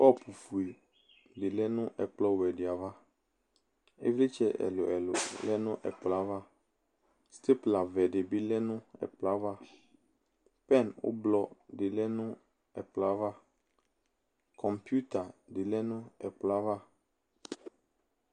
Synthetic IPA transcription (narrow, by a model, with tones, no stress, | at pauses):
ɔ˦˨pʰu˨fu˨e˨ | dɪ˨lɛ˦nʊ̃˦ʔɛ˨k͡plɔ˦wɛ˨dɪ˨a˨va˦ | ḛ˦vle˦t͡ʃɛ˦ɛ̰˨lʊ˨ɛ˨lʊ̰˨lɛ˦nʊ̃˦ʔɛ̰˨k͡pla˦va˦ | st̪e˦pla˨vɛ˨ɖɪ˨bɪ˦lɛ˦nʊ̃˦ɛ̰˨k͡pla˦va˦ | pɛ˦˨nwʊ̰˦blɔ˦dɪ˨lɛ˦nʊ̃˦ | ɛ˨k͡pla˦va˦ | kʰɔ̃˨mpju˦t̪a˨dɪ˨lɛ˦nʊ̃˦ɛ˨k͡pla˦va˦